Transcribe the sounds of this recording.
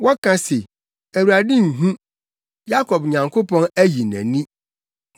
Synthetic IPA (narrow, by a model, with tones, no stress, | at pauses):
wɔ˦kʰã˨se˨ | æ˨wu˨ɾa˨dɪ̃˦ŋ̩˨ɦũ˦ | ja˦kʰɔ˨bɲã˨ŋkʰo˦pʰɔ̃˦næ˦ji˨næ̰̃˨nĩ˦